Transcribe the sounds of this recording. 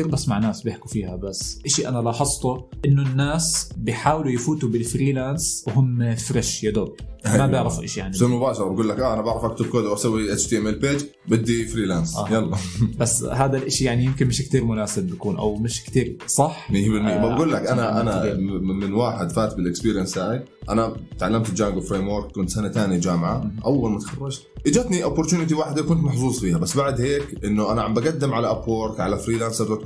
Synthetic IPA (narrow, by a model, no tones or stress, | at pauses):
iːɾbasːmaʕnaːsbjɪħkufiːhabasːʔaʃiʔanalɑħɑsˤt̪ˤuʔɪnːʊnːaːsbɪjħaːwɪlujɪfuːt̪ubɪlfɾiːlaːnswɦʊmːfɾɪʃjad̪ʊrˤmabjɪʕɾɪfuʔaʃijaʕniɪmʊbaːʃɑɾˤɑbɡuːlːakʔaʔanabaʕɾɑfʔakt̪ɪb̚koːd̪aʔasawːiʔat͡ʃt̪iːʔɛmʔelpeːd͡ʒ | bɪd̪ːifɾiːlaːnsʔajɑlˤːɑbasːhaːd̪alʔaʃijaʕnijɪmkɪnmɪʃkt̪iːɾmʊnaːsɪbbakuːnʔa̰wmɪʃkt̪iːɾsˤɑħmɪjːabɪlmɪjːamabɡuːlːakʔanaʔanamɪnwaːħɪd̪faːt̪bɪlɪkspiːɾjanshaːʕi | ʔa̰nat̪ʕalːamt̪ɪd͡ʒaːŋɡwɪfɾeːmwoɾkkːʊnt̪sanat̪aːnid͡ʒaːmʕaʔawːalmat̪xɑrˤːɑd͡ʒ | ʔɪd͡ʒat̪niʔʊpːʊɾˤt̪uːnɪt̪̬iwaːħɪd̪akʊnt̪mɑħzˤuːzˤfiːhabasːbaʕd̪heːkʔɪnːʊʔanaʕambʔaɡad̪ːɪmʕalaʔaplwoɾkʕalafɾiːlaːnsabd̪at̪